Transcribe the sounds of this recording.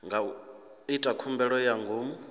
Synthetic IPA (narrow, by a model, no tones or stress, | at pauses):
ŋɡʱa | itʼakʰumbɛɺɔjaŋɡʱoːmu